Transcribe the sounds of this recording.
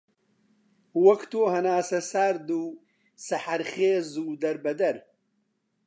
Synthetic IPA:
wɐkt̪oːɦɐnaːsɐsaːɾd̪u | sɐħaɾχeːzuːd̪ɐɾbɐd̪ɐɾ

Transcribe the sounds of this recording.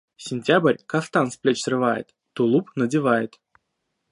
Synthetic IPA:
sʲɪnʲtʲabrʲkaft̪ansplʲet͡ɕsrɨvajɪ̰t̪ːulˠupnədʲɪvajɪt̪

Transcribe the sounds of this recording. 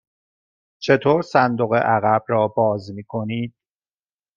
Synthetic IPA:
t͡ʃʰe̞t̪ʰoːɾsænd̪oɣḛʔæɣæbɾɒːbɒːzmiːkʰo̞niːd̪̥̚

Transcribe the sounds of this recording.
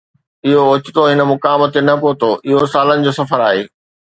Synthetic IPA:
ɪɦoʊt͡ɕɪt̪oɦɪnə̆mʊkaːmət̪enɐpoːt̪oʔɪɦosaːlənɪ̆d͡ʑoːsɐfəɾaːɦeː

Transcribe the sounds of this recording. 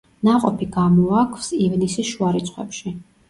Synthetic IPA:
naqʼɔpʰiɡamɔakʰv̥sivnisisʃuaɾit̪sʰχwɛ̰pʃi

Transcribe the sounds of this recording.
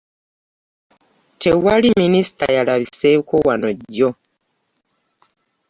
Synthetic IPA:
tʰe̞waliminisi̥ta̰jalaβisekowanoɟo

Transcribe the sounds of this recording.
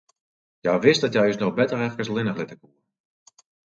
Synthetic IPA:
jajʋɪstdɔtjɛjəsnɔχbɛtərɛrkəslɪnəxlɪtəkuːr

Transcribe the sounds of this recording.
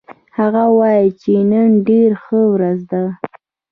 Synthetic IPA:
haɣawɑjit͡ʃenənɖeɾxəwɾazd̪a

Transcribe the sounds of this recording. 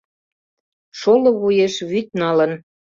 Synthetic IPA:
ʃolŏβujeʃβyt̪̚nɑlən

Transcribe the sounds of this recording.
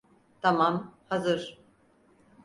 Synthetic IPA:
t̪ʰamamhazɯɾ̥

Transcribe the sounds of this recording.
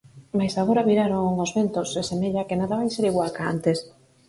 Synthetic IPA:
majsaɣoɾaβiɾaɾoŋŋozβent̪osesemeʎakenaðaβajseɾiɣwalkaa̰nt̪es

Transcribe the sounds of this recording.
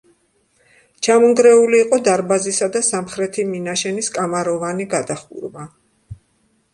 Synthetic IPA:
t͡ʃʰamɔŋɡɾɛuliːqʼɔd̪aɾbazisad̪asamχɾɛt̪ʰiminaʃɛniskʼamaɾɔvaniɡad̪aχṵɾva

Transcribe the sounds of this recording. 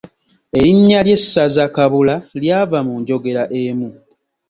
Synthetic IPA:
e̞ɾiɲːalje̞sːazakaβulaljaːvamuɲɟo̞ɡe̞ɾaʔemu

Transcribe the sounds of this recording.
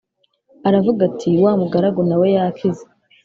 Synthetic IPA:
aɾavuɡatʰiwaːmuɡaɾaɡonawe̞jakʰize

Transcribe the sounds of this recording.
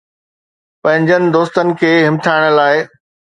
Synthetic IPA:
pɐ̃ɦɪ̃ɲd͡ʑənɪ̆d̪oːst̪ənɪ̆kʰeːɦɪmt̪ʰaːɪɽ̃ə̆laːɪ

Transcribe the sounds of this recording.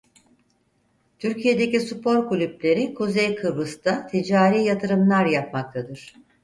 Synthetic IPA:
t̪ʰyɾcʰije̞d̪e̞cisupʰo̞ɾkulʲyplʲe̞ɾikʰuzejkʰɯbɯst̪at̪ʰid͡ʒaːɾiːjat̪ʰɯɾɯmlˠaɾjap̚mak̚t̪ʰad̪ɯɾ̥

